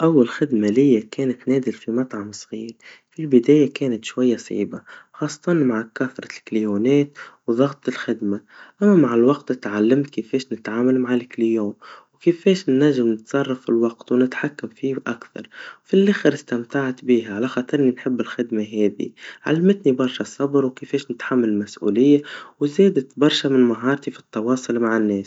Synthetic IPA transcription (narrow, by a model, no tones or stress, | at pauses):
ʔawːalxɪd̪malɪjːakɛːnat̪næːd̪ɪlfimɑt̪ˤʕɑmsˤɣiːɾ | filbɪd̪æːjakɛːnat̪ʃwajːasˤḭːbaxɑːsˤːɑ̥t̪ˤɑnmaʕkaθɾˤɑlkljuːnɛːt̪wðˤɑɣt̪ˤɪlxɪd̪maʔamːæmaʕɪlwɑqt̪ɪt̪ʕalːamt̪kɪfɛːʃnɪt̪ʕaːmalmaʕalklijoːnwkɪfeːʃnːaʒːɪmnɪt̪sˤɑrˤːɑfilwɑɡt̪wnɪt̪ħakːamfiːʔakθɑ̰ɾˤfilʔaxɾɪst̪amt̪aʕt̪biːɦaʕalaxɑːt̪ˤɨɾɪninħɪbːɪlxɪd̪maɦɛːðḭʕa̰lːamɪt̪nibɑɾˤʃasˤːɑbɾwkefeːʃnɪt̪ħamːalmasʔṵːlɪjːawzeːd̪at̪bɑɾˤʃamɪnmaɦɑːɾˤt̪ifi̥t̪ːɑwɑːsˤʊlmaʕɪnːeːs